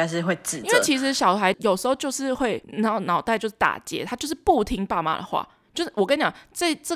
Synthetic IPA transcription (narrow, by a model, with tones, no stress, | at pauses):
ʂɻ̩˥˧xwe˥˨ɪʈ͡ʂɻ̩˨˩ĩ˥ŋwe˥˩t͡ɕʰi˧˥ʂ̬ɻ̩˧˦˥ɕjɑ˨˩ʊxa˧˦ɪjo˨˩ʊʂ̩˧˥xo˥˧ʊt͡ɕjo˥˧ʊʂɻ̩˥˧xwe˥˩ɪnɑ˥˨˩ʊnɑ˨˩ʊt̪a˥˧ɪt͡ɕjo˥˧ʊʂɻ̩˥˩t̪a̰˨˩t͡ɕjɛ̰˧˦t̪ʰa˥t͡ɕjo˥˧ʊʂ̬ɻ̩˥˧pu˥˨t̪ʰi˥ŋpa˥˩ma̰˨˩d̪ə̰˩xwa̰˥˩ | t͡ɕjo˥ʊʂɻ̩˥˩wɔ˨˩kə˥n˩t͡ɕɑ̰˨˩ŋt͡sa˥˧ɪə˥˩